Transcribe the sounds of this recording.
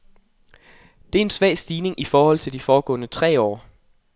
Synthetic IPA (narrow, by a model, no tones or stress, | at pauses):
d̥e̝æɐe̝nsʋɛ̰ːsd̥iːne̝ŋʔifɒːhɒ̽l̰t͡sʰe̝ld̥ifɒːɡ̥ɔ̰̽ːnət͡sʰʁɛ̰ːɒ̰ː